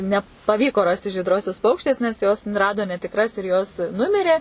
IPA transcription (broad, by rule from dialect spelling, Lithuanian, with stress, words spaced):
nʲɛpɐˈʋʲiːkoː ˈrɑːsʲtʲɪ ʒʲiːdˈroːsʲʊs ˈpɐʊkʃʲtʲeːs nʲɛs ˈjoːs ˈrɑːdoː nʲɛtʲɪkˈrɐs ɪr joːs ˈnʊmʲɪrʲeː